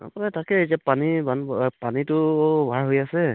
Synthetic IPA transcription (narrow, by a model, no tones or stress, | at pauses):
a̰pɔnɛtakɛejtiapanibanpanitʊbʱaɹɦojasɛ